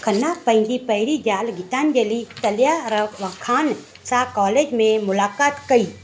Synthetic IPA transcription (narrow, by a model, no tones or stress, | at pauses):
kʰənːapə̃ɪ̃nd̪ipəɦɾid͡ʒaːlɡɪt̪aːnd͡ʒelit̪əljaɾəʋkʰaːn | sakɔːleːd͡ʒmẽmʊlaːkaːt̪kəiː